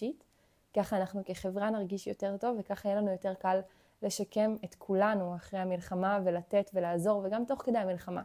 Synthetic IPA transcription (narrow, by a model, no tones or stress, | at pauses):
it | kaχaːnaχnuke̞χe̞vʁanaʁɡiʃjote̞ʁto̞vːekaχajelanujo̞te̞ʁkalː | e̞ʃake̞met̪kʰulanuaχʁejhamilχamavelat̪e̞tve̞laːzo̞ʁveɡamto̞χked̪ejamilχama̰